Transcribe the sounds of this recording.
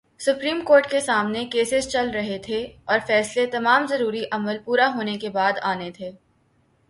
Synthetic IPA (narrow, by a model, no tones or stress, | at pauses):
sʊpɾiːmkoːɾʈkesaːmnekeːsɪzt͡ʃɐlɾɐɦet̪ʰeɔːɾfɛːslet̪ɐmaːmzɐɾuːɾiʔɐməlpuːɾaɦoːnekebaːd̪aːnet̪ʰeː